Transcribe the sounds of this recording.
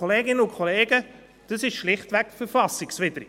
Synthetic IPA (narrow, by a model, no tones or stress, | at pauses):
oleːɡɪnəʊkʰɔleːɡ̥ə | d̥əsɪʃʃlɪχtvɛkfəɾfɑsɪksʋɪdəɾ